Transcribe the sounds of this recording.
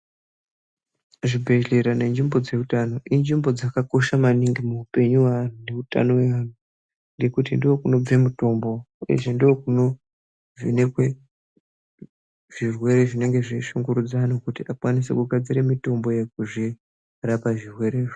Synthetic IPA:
ʐibʱe̞ɮeɾane̞nd͡ʒimbo̞d͡ze̞utano̞ʔind͡ʒimbo̞d͡zakako̞ʃamaniŋɡimuupe̞ɲuwan̤une̞uta̰no̞we̞ʋan̤u | ŋɡe̞kutḭndio̞kuno̞b͡vemuto̞mbo̞ | uje̞̰ʐendiokuno̞ | vinekwe | ʐ̥irwe̞ɾe̞ʐine̞ŋɡe̞ʐiiʃuŋɡuɾud͡zanokutiakwanise̞̰kuɡʱad͡ziɾemito̞mbo̞jek̚uʐi | rapaʐirwe̞ɾeːʐo

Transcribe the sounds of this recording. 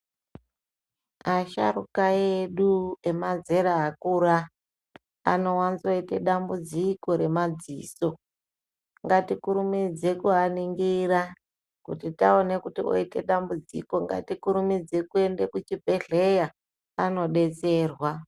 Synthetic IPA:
aʃa̰ɾukaeɗue̞maze̞ɾaːkuɾaː | no̞wanzoite̞ɗambud͡ziko̞ɾe̞mad͡zḭːso̞ | ŋɡatikuɾumid͡ze̞kuɦaniŋɡiɾa | kutitaone̞kutio̰ite̞̰ɗambud͡zḭko̞ŋɡa̰tikuɾumid͡ze̞kue̞nde̞kut͡ʃibʱe̞ɮe̞ja | ano̞ɗe̞t͡se̞ːrwa

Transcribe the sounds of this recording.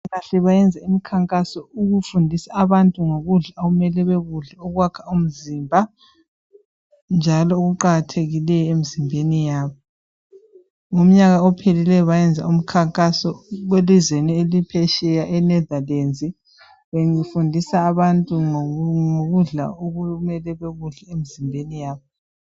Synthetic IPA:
ɣaɬɛβajɛnd͡zʱaimikʰaŋkʼasɔuɣufundʱisaːβantʼuŋoɣuɮaoɣumɛlɛβeɣuɮɛɔɣwakʰḁum̩zimbʱa | nd͡ʒʱalɔoɣuǃaɣatʰeɣilɛjɔem̩zimbʱenijaːβɔ | ŋom̩ɲaɣaɔpʰelilɛjɔβajɛnd͡zʱa̰um̩kʰaŋkʼasɔɣwelizwenielipʰɛʃɛjaʔɛnɛdalent͡sʼi | βeŋifundʱisaːβantʼuŋoɣuɮa̰omɛlɛβeɣuɮɛemizimbʱenijaːβɔ

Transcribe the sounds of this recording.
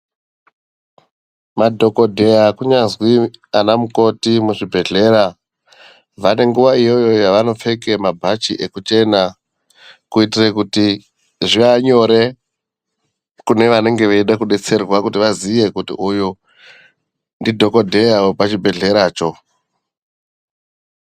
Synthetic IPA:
madʱo̞ko̞dʱe̞jakuɲazwianamuko̞timuʐibʱe̞ɮe̞ɾa | ʋane̞ŋɡuʋaijo̞jo̞jaʋano̞p͡fe̞ke̞mabʱat͡ʃiʔe̞kut͡ʃe̞na | kuitirekuti | ʐiaɲo̞ɾe | kune̞ʋane̞ŋɡe̞ʋeiɗakuɗe̞t͡se̞rwakutiʋazije̞kutḭʔuju | ndidʱo̞ko̞dʱe̞jaopat͡ʃibʱe̞ɮe̞ɾaːt͡ʃo̞

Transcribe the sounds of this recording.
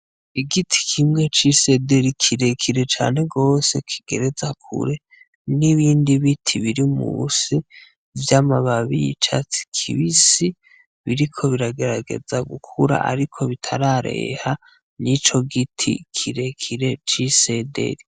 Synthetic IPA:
iɡitʰi̥kʰimŋe̞t͡ʃise̞de̞ɾikʰiɾe̞kʰiɾe̞t͡ʃa̰ːne̞ɡo̞ːse̞kʰi̥ɡ̥e̞ɾe̞zakʰṵɾe̞ | niβiːndiβitʰiβiɾimṵsi | vjamaβaβijḭt͡ʃa̰t͡si̥kʰḭβisi | βiɾikʰo̞βiɾaɡe̞ɾaɡe̞̰zaɡukʰuɾa̰ʔa̰ɾikʰo̞βitʰaɾaɾe̞̰ha | nit͡ʃo̞ɡitʰḭkʰiɾe̞kʰiɾe̞t͡ʃise̞de̞̰ɾi

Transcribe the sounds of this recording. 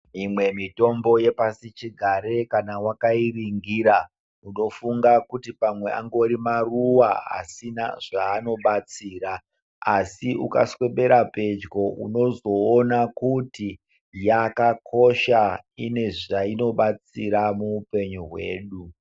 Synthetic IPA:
imwe̞mito̞mbo̞je̞pasit͡ʃiɡʱaɾe̞kanawakairiŋɡiɾa | uno̞fuŋɡakutipamwe̞ʔa̰ŋɡo̞ɾimaruwaa̰sina̰ʐaːno̞ɓat͡siːɾa | asiuka̰swe̞ɓe̞ɾape̞d͡ʒɡo̞ʔuno̞zo̞ːnakuti | jakakʰo̞ʃaine̞ʐaino̞ɓat͡siɾamuːpe̞ɲuɦwe̞̰ːɗu

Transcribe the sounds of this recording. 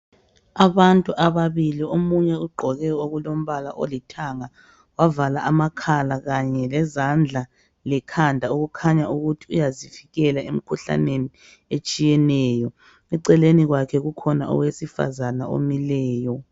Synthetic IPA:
aβantʼuʔaβaβiliomuɲɛuɡ͡ǃʱɔɣɛoɣulom̩βala̰ʔo̰litʰaŋa | wavalaʔamakʰalaɣaɲɛlɛzand͡ɮʱa | lɛkʰandʱauɣukʰaɲauɣutʰiujazifiɣɛlaem̩kʰuɬa̰neni | et͡ʃʼijɛnɛːjɔ | ɛǀɛleniɣwakʰɛɣukʰɔna̰ɔ̰wesifa̰zanao̰milɛːjɔ

